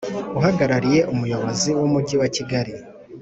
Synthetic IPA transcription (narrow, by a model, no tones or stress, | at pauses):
uɦaɡaɾaɾije̞ʔumujo̞βo̞ziwumuɟiwaciɡaɾi